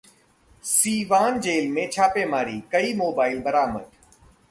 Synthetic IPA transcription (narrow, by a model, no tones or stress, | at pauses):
siːʋaːnd͡ʒeːlmẽːt͡ʃʰaːpeːmaːɾiːkəiːmoːbaːɪlbəɾaːmə̰d̪